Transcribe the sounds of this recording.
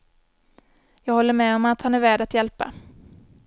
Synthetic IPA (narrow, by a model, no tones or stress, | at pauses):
jɑːɡhɔlːəɾmɛːɔmat̪hanæɾvæːɖat̪jɛlpa̰